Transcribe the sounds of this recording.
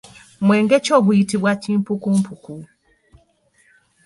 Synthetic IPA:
mʷɛŋɡɛt͡ʃɔbuitibwat͡ʃim̩pukum̩pʰuku

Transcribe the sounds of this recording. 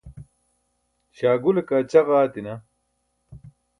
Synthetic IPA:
ɕaːɡulɐkaːt͡ɕɐɣaːt̪inɐ

